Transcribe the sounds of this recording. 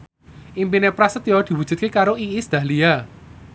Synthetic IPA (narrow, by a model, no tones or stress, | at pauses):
ʔimpinepɾasət̪jɔd̪̥i̤wud̥ʒ̥ṳt̪̚kekaɾoʔiisd̪̥a̤hlia